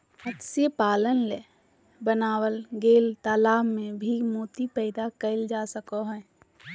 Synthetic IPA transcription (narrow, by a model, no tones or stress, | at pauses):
hət̪sjepaːlənle | bənaːwəlɡeːlt̪aːlaːmːẽbʱimoːt̪ipəɪd̪akəɪld͡ʒaːsəkoɦɛ̃